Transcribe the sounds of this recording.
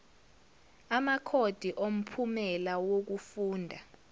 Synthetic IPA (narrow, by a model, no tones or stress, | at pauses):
amakʰod̥ʱiʔom̩pʰumɛlawok̬ufuːndʱa